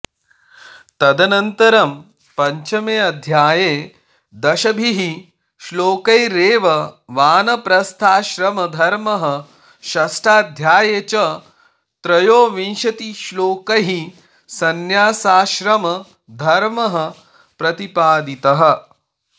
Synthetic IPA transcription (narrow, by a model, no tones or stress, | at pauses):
t̪ɐd̪ɐnɐnt̪ɐɾɐm | pɐɲt͡ʃɐmeːɐd̪ʱjaːjeː | d̪ɐʃɐbʱiɦi | ʃloːkɐjɾeːʋɐʋaːnɐpɾɐst̪ʰaːʃɾɐmɐd̪ʱɐɾmɐɦɐ | ʃɐsʈʰaːd̪ʱjaːjet͡ʃɐ | t̪ɾɐjoːʋĩnʃɐt̪iʃloːkɐɦi | sɐnjaːsaːʃɾɐmɐ | d̪ʱɐɾmɐɦɐ̆ | pɾɐt̪ipaːd̪it̪ɐɦɐ̆